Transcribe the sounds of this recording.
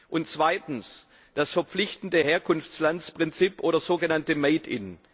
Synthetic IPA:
ʔʊnt͡sv̥aɪtn̩s | d̥asfɛɐp͡flɪçtn̩dəheːɐkʰʊnft͡slant͡spʁ̥ɪnt͡sipʔoːɾɐzoːɡənantəmeɪdɪ̰n

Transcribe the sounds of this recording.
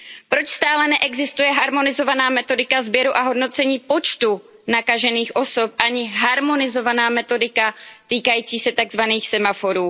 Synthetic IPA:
pɾo̞t͡ʃst̪aːlɛnɛʔɛɡzɪst̪ujɛɦaɾmo̞nɪzo̞vanaːmɛt̪o̞dɪkazbjɛɾuʔaɦo̞dno̞t͡sɛɲiːpo̞t͡ʃt̪u | nakaʒɛniːxʔo̞so̞p̚ʔaɲɪɦaɾmo̞nɪzo̞vanaːmɛt̪o̞dɪkat̪iːkajiːt͡siːsɛt̪aɡzvaniːxsɛmafo̞ɾuː

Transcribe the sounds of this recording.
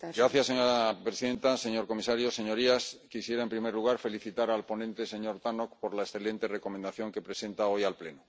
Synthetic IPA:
ɡɾaθjaseŋapɾesiðe̞nt̪ase̞ɲo̞ɾko̞misaɾjose̞ɲo̞ɾiaskisje̞ɾaempɾime̞ɾluɣ̞aɾfe̞liθit̪aɾalpo̞nẽ̞nt̪e̞se̞ɲo̞ɾt̪ano̞kpo̞ɾlaesθe̞le̞nt̪e̞re̞ko̞mend̪aθjo̞ŋke̞pɾe̞se̞nt̪ao̞jalple̞no

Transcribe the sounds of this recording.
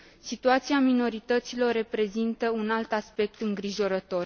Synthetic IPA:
sit̪uat̪siamino̞ɾit̪ət̪silo̞rːe̞pɾe̞zint̪əunalt̪aspe̞k̚t̪ɨŋɡɾiʒo̞ɾət̪o̞r

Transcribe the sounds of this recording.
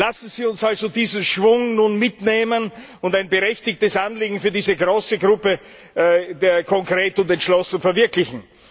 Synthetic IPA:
lasn̩ziːʊnsalzodiːzənʃv̥ʊŋnunmɪtneːmən | ʊndaɪnbəʁɛçtɪçtəsʔanliːɡŋ̩fyːɐdiːzəɡʁoːsəɡʁʊpə | deːɐkʰɔŋkʁ̥eːtʊntɛntʃlɔsn̩fɛɐvɪɐklɪçn̩

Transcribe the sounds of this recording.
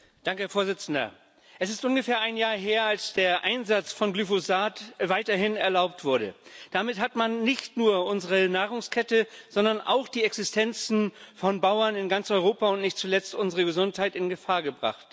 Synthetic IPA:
d̥aŋkəhɛːɐfoːɐzɪt͡sn̩dɐ̰ | ʔɛs̬ɪstʔʊnɡəfeːɐʔaɪnjaːɐɦeːɐalsd̥eːɐʔaɪnzat͡sfɔnɡlyfozaːtvaɪtɐɦɪnɛɐlaʊp̚tv̥ʊɐɾə̰d̥amɪthɦatmanːɪçtnuːɐʔʊnzəʁənaːʁ̞ʊŋskʰɛtəz̥ɔndɐnʔa̰ʊxd̥iːɛksɪstʰɛnt͡sn̩fɔnbaʊɐnɪnɡant͡sʔɔʏʁoːpaʊntnɪçtt͡sulɛt͡stʔʊnzəʁəɡəzʊnthaɪtɪnɡəfaːɐɡəbʁa̰χt

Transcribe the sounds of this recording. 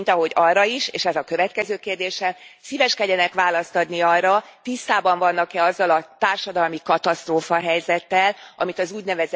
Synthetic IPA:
nt̪ɒɦo̞ɟɒrːɒiʃeːʃɛzɒkø̞vɛt̪kɛzøːkeːrd̪eːʃɛmsiːvɛʃkɛɟɛnɛkʋaːlɒst̪ɒd̪niɒrːɒ | t̪ist̪aːbɒɱvɒnːɒkɛɒzːɒlɒt̪aːrʃɒd̪ɒlmikɒt̪ɒst̪roːfɒɦɛjzɛt̪ːɛlɒ̰mit̪ɒzuːɟnɛvɛz

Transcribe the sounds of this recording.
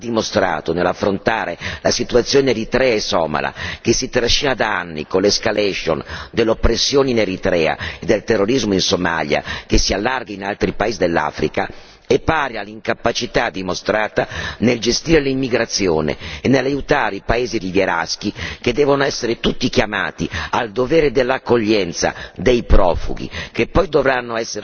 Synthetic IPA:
ad̪ːimost̪ɾa̰ːt̪onelːafːɾont̪aːɾelasit̪uat̪sːjoːneeɾit̪ɾɛːaesɔ̰ːma̰la̰k̟esːit̪ɾaʃːinad̪aanːḭkonlːeskalɛʃo̰nd̪elːopːɾesːjoːneineɾit̪ɾɛːa̰ed̪elt̪erːoɾizmoinsoma̰ʎja̰kesialːarɡainalt̪ɾipaeːzid̪elːa̰ːfɾika | epːaːɾjalːiŋkapat͡ʃit̪ad̪ːimost̪ɾaːt̪aneld͡ʒest̪iːɾelimːiɡɾat̪sːjoːnḛːnːelːajut̪aːɾeipaeːzid̪ivjeɾa̰sk̟iked̪ːɛːvonoɛsːeɾet̪ut̪ːikjama̰ːt̪iald̪ovɛːɾed̪elːakːoʎːɛnt̪sa̰d̪ejpɾɔ̰ːfṵɡ̟ḭkepːɔjd̪ovɾanːoɛsːeɾ

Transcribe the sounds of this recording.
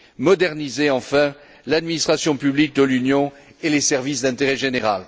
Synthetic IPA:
mɔd̪ɛʁnizeɑ̃fɛ̃ | lad̪minist̪χasjɔ̃pyblik̚d̪əlynjɔ̃ | elesɛʁvisd̪ɛ̃t̪eʁɛʒeneʁa̰l

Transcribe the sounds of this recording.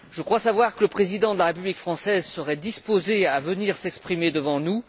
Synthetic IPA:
ʒ̥əkχwasavwaʁkələpχezid̪ɑ̃d̪əlaʁepyblikfχɑ̃sɛzsəʁɛd̪ispozeavəniʁsɛkspχimed̪əvɑ̃nu

